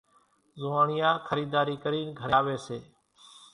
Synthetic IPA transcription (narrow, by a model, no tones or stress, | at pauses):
zʊːaːɳɪjãːkʰəɾiːd̪aːɾiːkəɾiːnɡʱəaːʋeːseː